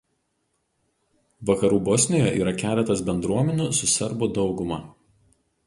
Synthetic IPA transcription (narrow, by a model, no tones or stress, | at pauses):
ʋɐkɐɾuːbɔsʲnʲɪːjɛʔiːɾɐkʲæːlʲɛt̪ɐsbʲɛnd̪ɾuɔmʲɛnʲʊsʊsʲɛɾbʊd̪ɒʊɡʊmɐˑ